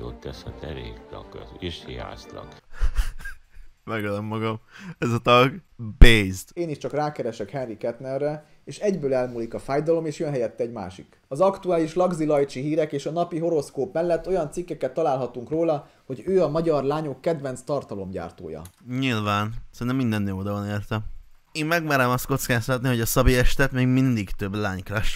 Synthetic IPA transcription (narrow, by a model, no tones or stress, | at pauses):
o̰ːt̪t̪ːɛshɛt̪ɛɾeːkt̪ɒ̰kiʃhiɦa̰ːst̪lɒ̰k | mɛɡɒd̪omːɒɡɒmɛzɒt̪ɒɡbezd̪eːniʃt͡ʃɒkraːkɛɾɛʃɛkhɛnrikɛt̪nɛrːɛ | eːʃɛɟbøːlɛlmuːlikɒfaːjd̪ɒlo̞meːʃjønɦɛjɛt̪ːɛɛɟma̰ːʃik | ɒzɒkt̪uaːliʃlɒɡzilɒjt͡ʃiɦiːɾɛkeːʃɒnɒpiɦo̞ɾo̞skoːpmɛlːɛt̪ːo̞jɒnt̪sikːɛkɛt̪ːɒlaːlɦɒt̪uŋkroːlɒ | ho̞ɟøːɒmɒɟɒrlaːɲo̞kːɛd̪vɛnt̪st̪ɒrt̪ɒlo̞mɟa̰ːrt̪o̰ːjɒ̰ɲilvaːnsɛɾnɛmind̪ɛnːeːod̪ɒvɒneːrt̪ɛm | eːmmɛɡmɛɾɛmɒst̪̚ko̞t̪skaːst̪ɒt̪niho̞ɟɒsɒbiɛʃt̪ɛt̪meːɡmind̪iɡt̪ø̞blaːɲkɾɛʃ